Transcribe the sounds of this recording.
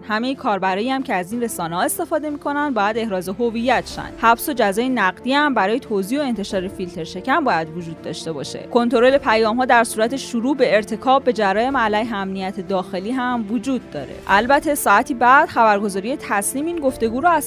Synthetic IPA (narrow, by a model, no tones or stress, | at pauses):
hæme̞jekʰɒːɾbæɾɒːjiæmcʰeæziːnre̞sɒːnehɒːe̞st̪e̞fɒːd̪e̞miːkʰo̞nænd̪̚bɒːjæd̪e̞hɾɒːzoɦo̞vijːæt̪ʃæ̰nd̪̥hæbso̞d͡ʒæzɒːjenæɢd̪iːæmbæɾɒːje̞t̪ʰoziːoe̞nt̪ʰe̞ʃɒːɾe̞filt̪ʰe̞ɾʃe̞cʰæmbɒːjæd̪vod͡ʒuːd̪̚ːɒ̰ːʃt̪e̞bɒ̰ːʃḛkʰo̞nt̪ʰo̞ɾo̞le̞pʰæjɒːmɦɒːd̪æɾsuːɾæt̪ʰe̞ʃuɾuːbe̞ːɾt̪ʰe̞kʰɒːbːe̞d͡ʒæɾɒːjemælæjɦeæmnijæt̪ʰed̪ɒːxe̞liːɦæmvod͡ʒuːd̪̚ːɒ̰ːɾḛʔælbæt̪ʰe̞sɒːæt̪ʰiːbæd̪̥xæbæɾɡo̞zɒːɾijet̪ʰæsliːmiːnɡo̞ft̪e̞ɡuːɾɔæz